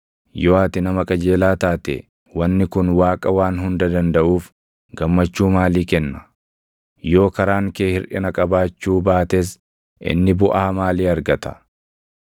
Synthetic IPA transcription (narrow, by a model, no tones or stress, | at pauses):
joːaːt̪ɪnɐmɐkʼɐd͡ʒe̞ːlaːt̪aːt̪ɛ̰ | wɐnːɪkʊnwaːkʼɐwaːnɦʊnd̪ɐd̪ɐnd̪ɐʔuːf | ɡɐmːɐt͡ʃːuːmaːliːkɛnːɐ | jo̞ːkɐɾaːŋkeːhɪɾʔɪ̰nɐkʼɐbaːt͡ʃːuːbaːt̪es̬ | ʔɪ̰nːɪbʊʔaːmaːliːɐɾɡɐt̪ɐ̥